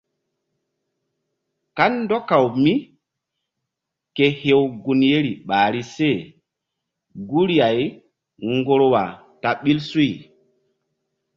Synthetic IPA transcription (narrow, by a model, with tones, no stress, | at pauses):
ka˦nːdɔ˦kːa˨wmi˦ | ke˨he˨wɡu˨nje˦ɾi˨ɓaː˨ɾi˦se˦˨ | ɡu˦ɾi˦ja˨j | ŋɡo˦ɾwa̰˨ | ta˨ɓi˦lsu˦j